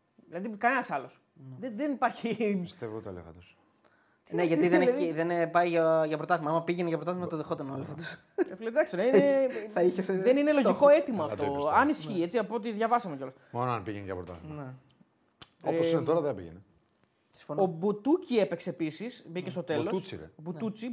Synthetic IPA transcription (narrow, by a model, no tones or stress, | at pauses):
ðilɐðikɐnenɐsɐlo̞s | ðeðenipɐɾçii̥st̪evoot̪o̰lḛɣɐ̰t̪os | neʝɐt̪iðeneeðenpɐiʝɐʝɐpɾot̪ɐθimɐɐmɐpiʝeneʝɐpɾot̪ɐθimɐt̪oðexot̪ɐnolefot̪is | efilet̪d̪ɐksneineθɐiçeseðeninelo̞ʝiko̞e̞t̪imɐːft̪oɐnisçie̞t͡siɐpo̞t̪̬iðʝɐvɐsɐmoceɐlo | monoɐnpiʝenʝɐ̰pɾot̪ɐ̰θimne | osinɐt̪oɾɐðeɐbḭʝḛne | si̥fonobut̪ucie̞pekseːpisisbicest̪o̞t̪e̞lot͡siɾ̰obuut͡si